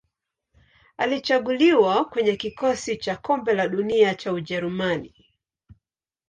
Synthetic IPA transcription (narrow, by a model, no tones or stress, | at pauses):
alit͡ʃaɠuliwakwɛɲɛkikɔsit͡ʃakɔmbɛlaɗuniat͡ʃauʄɛɾumani